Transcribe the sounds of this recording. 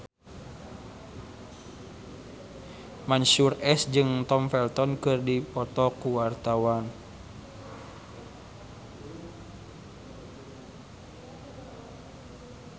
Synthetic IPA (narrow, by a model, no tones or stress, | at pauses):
mansurɛsd͡ʒɨŋt̪ɔmfɛlt̪ɔnkɨrdipɔt̪ɔkuwart̪awan